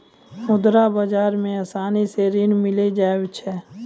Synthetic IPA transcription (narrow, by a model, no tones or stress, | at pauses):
mʊd̪ɾabəd͡ʒaːɾmẽasaːniseɾɪnmɪled͡ʒaːt͡ʃʰɛː